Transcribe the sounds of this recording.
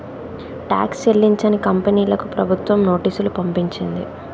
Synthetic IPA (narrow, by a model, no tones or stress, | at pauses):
ʈa̰ːkst͡ʃelːiɲt͡ʃɐnikɐmpeniːlɐkupɾɐbʱut̪ʋɐmno̞ːʈiːsulupɐmpiɲt͡ʃind̪ḭ